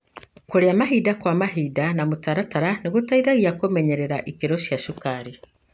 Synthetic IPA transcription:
koɾeamaɦidakwamaɦiːdanamutaɾataɾaneɣutaiðaɣiakomɛɲeɾeɾaʔikeɾoʃjaʃukaɾi

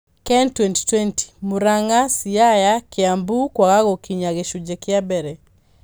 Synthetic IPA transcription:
kɛntwɛnti̥twɛnti̥moɾaŋasiajakeambukwaɣaɣokiɲaɣeʃud͡ʒekjabɛɾɛ

